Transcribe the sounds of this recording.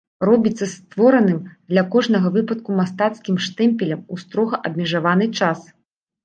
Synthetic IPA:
rɔbʲit̪sːɐst̪vɔɾɐnɨmd̪lʲɐkɔʐnɐɣɐvɨpɐt̪̚kumast̪at̪skʲimʂt̪ɛmʲpʲɛlʲɐmust̪ɾɔɣɐʔɐbʲmʲɛʐavanɨt͡ʂas

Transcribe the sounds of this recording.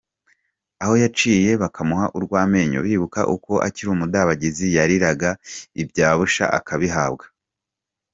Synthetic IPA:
aho̞jat͡ʃiːje̞βakʰamuhaʔuɾɡwaːme̞ːɲo̰βiːβuka̰ʔuko̞ʔa̰ciɾumudaβaɟizijaɾiɾaɡaibɟaːβuʃa̰ʔa̰kʰaβiɦaːbɡḁ

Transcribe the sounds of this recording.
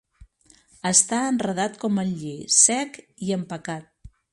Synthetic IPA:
əst̪aənrəð̞at̪kɔməʎesɛk | iəmpəkat̪̚

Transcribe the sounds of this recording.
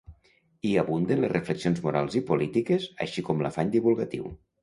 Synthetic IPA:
iaβund̪enlezrefleksionzmuɾalˠzipulit̪ikeza̰ʃikɔmla̰faɲd̪iβulˠɣat̪iw

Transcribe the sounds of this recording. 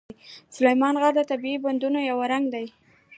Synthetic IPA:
jsʊlajmɑnɣaɾd̪ət̪abiiband̪unojawaɾaŋɡd̪aj

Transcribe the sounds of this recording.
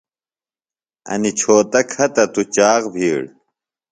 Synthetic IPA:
ɐ̰nit͡ɕʰoːt̪ɐkʰɐt̪ɐt̪ut͡ɕaːɣbʱiːɭ

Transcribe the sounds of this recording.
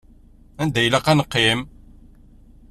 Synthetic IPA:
ænd̪æjlæqænəqːim

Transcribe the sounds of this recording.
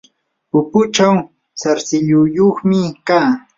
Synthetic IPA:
ʊpʊt͡ʃaw | saɾsɪʎʊjoχmɪkaː

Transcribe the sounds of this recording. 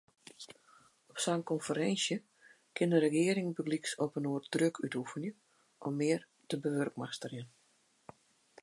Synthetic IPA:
ɔpsaŋkɔnfəɾɛnsjə | kʰɪnəɾəɡɪəɾɪŋbəɡliksɔpənoər̚drøkʰytufənjə | ʔɔmːɪːər | təbəʋørkmaxstərjɪn

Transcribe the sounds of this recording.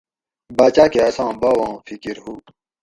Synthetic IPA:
baːt͡ɕaːkeɐsɑ̃ːbɐwɑ̃ːfikiɾhuː

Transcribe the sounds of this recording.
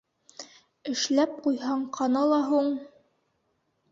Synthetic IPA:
ɘ̆ʃlæp̚qujɦɑɴqʰɑnɑlˠɑɦuɴ

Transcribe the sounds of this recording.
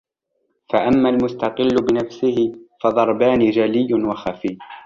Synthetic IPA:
faʔamːalmʊst̪ɑqɪlːʊbɪnafsɪhɪfɑd̪ˤɑɾˤbaːniːd͡ʒalɪjːʊnwaxafiː

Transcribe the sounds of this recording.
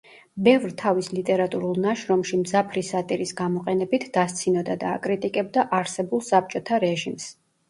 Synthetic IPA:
bɛvɾt̪ʰavislit̪ʼɛɾat̪ʼuɾulˠnaʃɾɔmʃimzapʰɾisat̪ʼiɾisɡamɔqʼɛnɛbit̪ʰd̪ast̪sʰinɔd̪ad̪aːkʼɾit̪ʼikʼɛb̚d̪aʔaɾsɛbulˠsap̚t͡ʃʼɔt̪ʰaɾɛʒims

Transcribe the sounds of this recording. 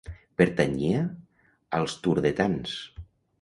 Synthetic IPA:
peɾt̪aɲia | alˠst̪uɾðet̪ans

